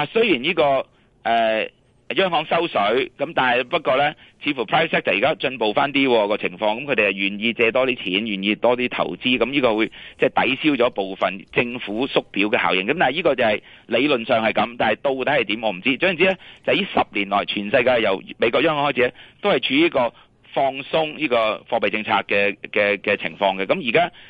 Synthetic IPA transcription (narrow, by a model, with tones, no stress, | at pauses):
laː˨˩sɵ˥ɥjiː˨˩njiː˥kɔː˧ | ʔɛː˨ | jœː˥ŋhɔː˨˥ŋsɐ˥wsɵ˨˥ɥkɐ˨˥mt̪aː˨nɦɐ˨˩jpɐ˥t̚kɔː˧lɛː˥t͡sʰiː˨˧fu˨˩pʰɹaː˥jfsʰɛ˥k̚t͡sɐ˨˩ji˨kaː˥t͡ʃɵ˧npo˨wfaː˥nt̪iː˥wɔː˧kɔː˧t͡sʰɪ˨˩ŋfɔː˧ŋkɐ˧mkʰɵ˧t̪e˨jɐ˨˩wjyː˨˩njiː˧t͡sɛː˧t̪ɔː˥t̪iː˥t͡sʰiː˨˥njyː˨˩njiː˧t̪ɔː˥t̪iː˥t̪ʰɐ̰˨˩wt͡siː˥kɐ˨˦mjiː˥kɔː˧wu˨˧jt͡sɛː˥˩t̪ɐ̰˨˥jsiː˥wt͡sɔː˨˥po˨wfɐ˨˩nt͡sɪ˧ŋfuː˨˥sʊ˥k̚piː˨˥wkɛ˧a̰ː˨˩wjɪ˨ŋkɐ˨˦mt̪aː˨n˨˩jiː˥kɔː˧t͡sɐ˨˩hɐ˨jle˨˧jlɵ˨nsœː˨ŋhɐ˨jkɐ˨˥mt̪aː˨nɦɐ˨jt̪o˧wt̪ɐ˨˥hɐ˨jt̪iː˨˥mɔː˨˧m̩˨˩t͡siː˥t͡sœ˨˥˨t͡siː˥ɛ˥t͡sɐ˨wjiː˥sɐ˨p̚liː˨˩nlɔː˨˩jt͡ʃʰyː˨˩nsɐ˧jkaː˧jjɐ˨˩wme˨˧kɔ˧˥jœː˥ŋhɔ˨˥hɔː˥˩t͡sʰiː˧˥ɛ˥t̪o˥whɐ˨jt͡ʃʰyː˧jiː˥kɔː˧ | fɔː˧ŋsʊ˥ŋjiː˥kɔː˧fɔː˧pɐ˨jt͡sɪ˧ŋt͡sʰa̰ː˧k̚kɛː˧kɛː˧kɛː˧t͡sʰɪ˨˩ŋfɔː˧ŋkɛː˧kɐ˨˦mji˨˩kaː˥